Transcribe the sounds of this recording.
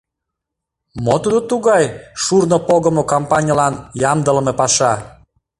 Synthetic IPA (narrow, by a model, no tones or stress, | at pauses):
mot̪ud̪ot̪uɣɑjʃurnopoɣəmokompɑnʲɑlɑnjɑmd̪əlmepɑʃɑ